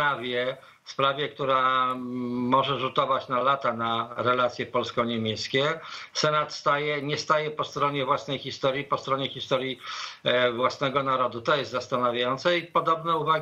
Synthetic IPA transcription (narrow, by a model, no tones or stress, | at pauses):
avʲjɛ | fspɾavʲjɛkt̪uɾa | mɔʐɛʐut̪ɔvat͡ɕnalat̪anaɾɛlat̪sʲjɛpɔlskɔɲɛmʲjɛskʲɛsɛnat̪st̪ajɛɲɛst̪ajɛpɔst̪ɾɔɲɛvwasnɛjxʲist̪ɔɾʲjipɔst̪ɾɔɲɛxʲist̪ɔɾʲji | vwasnɛɡɔnaɾɔd̪ut̪ɔjɛst̪zast̪anavʲjajɔnt̪sɛipɔd̪ɔbnɛuva